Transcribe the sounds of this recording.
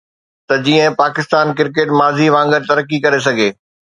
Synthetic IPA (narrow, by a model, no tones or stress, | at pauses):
t̪ɐd͡ʑiːə̃paːkɪst̪aːnkɪɾkeːʈmaːziʋãːŋɡəɾt̪ɐɾəkːikɐɾes̬ɐɡʱeː